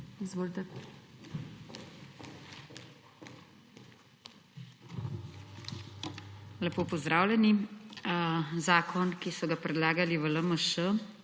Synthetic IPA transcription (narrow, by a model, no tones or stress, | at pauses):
izʋoːlt̪ɛ | lɛpoːpɔzd̪ɾaːwlʲɛni | zaːkʰɔnkisɔɡapɾɛd̪laːɡaliʋələməʃə